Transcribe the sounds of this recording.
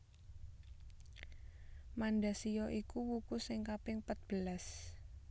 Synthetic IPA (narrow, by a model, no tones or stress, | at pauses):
manɖasijɔʔikuwukusɪŋkapɪŋpət̪̚b̥əlas